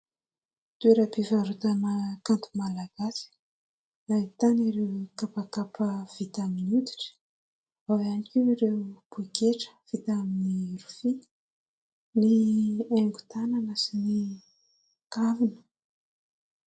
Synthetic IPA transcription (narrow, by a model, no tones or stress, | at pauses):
t̪ueɾapivaɾut̪anəkant̪umalaɡ̥asi̥ | nait̪aniɾewkapakapəv̥it̪aminut̪i̥ʈ͡ʂə̥ | vavanikʲuiɾewb̥ukeʈ͡ʂə̥v̥it̪aminiɾufi | nieŋɡu̥t̪ananəsini | kavinə̥